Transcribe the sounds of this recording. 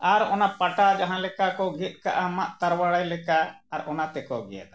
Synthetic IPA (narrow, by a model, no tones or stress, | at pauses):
aɾɔnapaʈad͡ʒaɦãlɛkakɔɡɛt̪̚ˀka̰ʔamaʔt̪aɾwaɽajlɛkaːɾɔnat̪ɛkɔɡɛ̰jɛ̰t̪̚